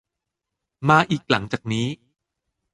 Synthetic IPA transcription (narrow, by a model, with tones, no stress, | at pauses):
maː˧ʔiː˨˩k̚la˩˦ŋt͡ɕaː˨˩k̚niː˦˥